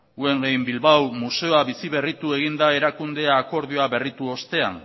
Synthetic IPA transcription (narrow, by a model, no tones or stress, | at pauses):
ue̞ŋɡejmbilβawmuse̞oaβisiβe̞rit̪ue̞ɣ̞ind̪ae̞ɾakund̪eaːko̞ɾð̞ioaβe̞rit̪uo̞st̪e̞a̰n